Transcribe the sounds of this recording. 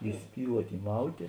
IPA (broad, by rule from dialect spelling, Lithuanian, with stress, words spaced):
iːˈsʲpʲiːlˠuɔtʲ iːˈmɐʊtʲeː